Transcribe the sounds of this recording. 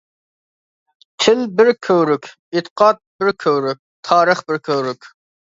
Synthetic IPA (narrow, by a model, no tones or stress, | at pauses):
t͡ʃʰɪlbɪɾkʲʰøwɾykʲ | ɪt̪ʰə̥qʰɑːt̪̚bɪɾkʲʰøwɾyk̚ʲt̪ʰɑːɾəχbɪɾkʲʰøwɾykʲ